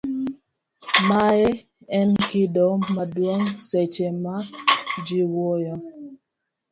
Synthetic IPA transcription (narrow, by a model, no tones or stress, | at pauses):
maɛ | ɛnkidɔmadwoŋsɛt͡ʃemad͡ʒiwojɔ